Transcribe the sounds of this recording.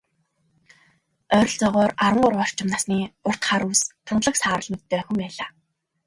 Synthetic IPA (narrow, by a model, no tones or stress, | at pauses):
œɾ̆ʲɮt͡sɔʁɔːraɾwə̆ŋɢʊɾɔr̥t͡ɕʰɪ̆mnaːsniːʊr̥t̪χaːɾuwst̪ʰʊnɮə̆ksaːɾə̆ɮmɵt̪t̪ʰːeːxɘ̆mpæːɮaː